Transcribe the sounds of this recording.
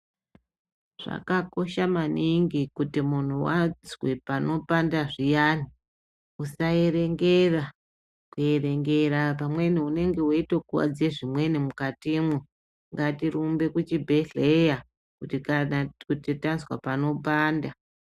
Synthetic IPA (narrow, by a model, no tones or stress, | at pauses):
ʐ̥a̰kako̞ʃamaniŋɡikutimun̤uwazwe̞pano̞pandaʐijani | usae̞ɾe̞ŋɡera | kuje̞re̞ŋɡe̞ɾapamwe̞niune̞ŋɡe̞waito̞kuwa̰d͡zieʐimwe̞nimukatimwu | ŋɡatirumbe̞kut͡ʃibʱe̞ɮe̞ja | kuiakutitanzwa̰pano̞paːnda